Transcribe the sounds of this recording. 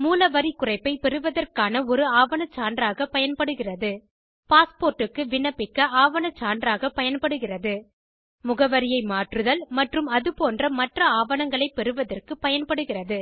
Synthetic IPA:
muːlɐʋɐɾikʊrɐɪpːɐɪpɛɾɯʋɐðɐrkaːnɐɔɾɯaːʋɐnɐt͡ʃːaːndrɾaːɣɐpɐjɐnpɐɽɯɣɪrɐðɯ | paːspoːrʈːɯkːɯʋɪɳːɐpɪkːɐaːʋɐnɐt͡ʃːaːndɾaːɣɐpɐjɐnpɐɽɯɣɪrɐðɯ | mʊɣɐʋɐɾɪjɐɪmaːʈrɯðɐlmɐʈrɯmɐðɯpoːndrɐmɐʈrɐaːʋɐnɐŋɡɐɭɐɪpɛɾɯʋɐðɐrkɯpɐjɐnpɐɽɯɣɪrɐðɯ

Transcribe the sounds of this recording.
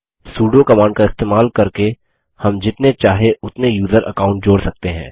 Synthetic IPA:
suːɖokɐmãːɳɖkaɪst̪eːmaːlkɐɾke | hɐmd͡ʒɪt̪net͡ʃaːɦeʊt̪nejuːzəɾʔɐ̰kaːʊ̃ɳʈ̚d͡ʒoːɽsɐk̚t̪eɦɛ̰̃ː

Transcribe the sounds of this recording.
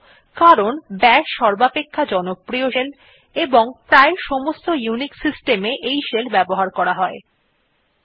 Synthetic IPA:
kaɾonbɛʃʃɔɾbapekʰːad͡ʑɔnopɾioʃel | eboŋpɾaeʃɔmost̪ojuniksisʈemeʔejʃelbɛboɦaɾkɔɾaɦɔe

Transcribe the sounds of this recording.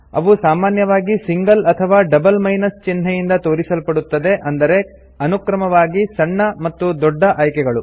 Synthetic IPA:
ɐ̰ʋusaːmaːnjɐʋaːɡisiŋɡɐlɐt̪ʰɐʋaːɖɐbɐlmɐjnɐst͡ʃinɦɐjind̪ɐt̪o̞ːɾisɐlpɐɽut̪ːɐd̪e̞ʔɐnd̪ɐɾe̞ | ɐnukɾɐmɐʋaːɡisɐɳːɐmɐt̪ːud̪ɔɖːɐʔaːjkɛɡɐɭu

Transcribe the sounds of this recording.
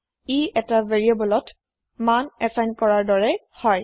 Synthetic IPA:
iɛtaveɹiabɔlɔt | manɛsajnkɔɹaɹdɔɹɛ | hɔj

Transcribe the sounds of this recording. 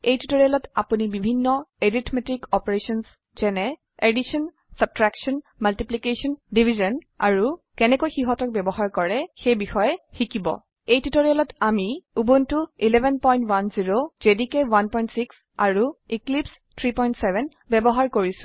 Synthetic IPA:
ejtutoɹijalɔtapunibibʱinːɔeɹitʰmetikɔpɔɹesɔns | z̥ɛnɛ | edisɔn | sab̚tɹaksɔn | maltiplikesɔndibʱizɔn | a̰ɹu | kɛnɛkojxiɦɔtɔk̚bɛbɔɦaɹkɔɹɛxejbixɔjɛxikibɔ̰ | ejtutoɹijalɔtamiubuntuilɛbʱɛnpɔjntwanziɹozedikɛwanpɔjntsiks | aɹuiklips | tʰɹipɔjntsɛbʱɛn | bɛbɔɦaɹkoɹisʊ̥̃

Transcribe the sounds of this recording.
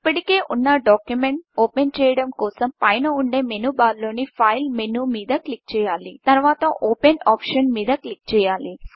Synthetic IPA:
ipːɐʈike̞ːʔunːɐɖaːkjumeɳʈoːpent͡ʃɛːjɐɽɐmkɔːsɐmpɐjnɐuɳɖe̞ːmenuːbaːlːo̞ːnipʰɐjlmenuːmiːd̪ɐklik̚t͡ʃɛːjaːlit̪ɐɾʋaːt̪ɐʔoːpenaːpʂɐnmiːd̪ɐklik̚t͡ʃɛːjaːli

